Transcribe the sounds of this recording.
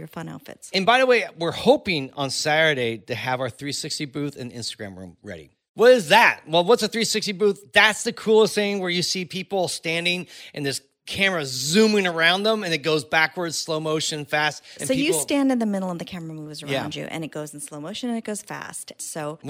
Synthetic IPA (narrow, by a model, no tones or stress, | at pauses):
jə˞fʌ̃nɛ̰lˠfɨ̰tsɨ̃nbaɪðəweɪwɪɹhoʊpɪ̃ŋə̰̃nsæɾəɾeɪɾɨəvaʊə˞θɹisɪkstibʉθɨ̰̃niɪ̰̃nstɨɡɹæ̰̃mɹʉ̰̃mɹɛ̰ɾḭ | wʌɾɪzðæt̚wɛlˠwʌtsɨθɹisɪkstibuθðætsðɨkʰɹ̥ulˠəstθɪ̃ŋwə˞jɨsipʰipl̩ˠstæ̃ndɪ̃ŋʔɨ̃nðɪs | kʰæmə˞ɨzʉ̃mɪ̃ŋə˞ãʊ̃nðə̃mɨ̃nɨt̚ɡ̥oʊzbækwə˞dz̥sloʊmoʊʃɨ̃nfæst̚sɨ̃noʊijɨstæ̃ndɨ̃nðɨmɪɾl̩ˠʌvðɨkʰæmə˞əmuvzə˞ãæʊ̃nd͡ʒʉ̰ʔɨ̰̃ñɨt̚ɡ̥oʊzn̩sloʊmoʊʃɨ̃nɨ̃nɨt̚ɡ̥oʊz̥fæ̰stsoʊ